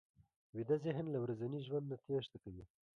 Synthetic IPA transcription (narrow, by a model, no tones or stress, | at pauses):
wid̪azeɦnlawɾazaniʒwand̪nat̪ʰeʃt̪akaji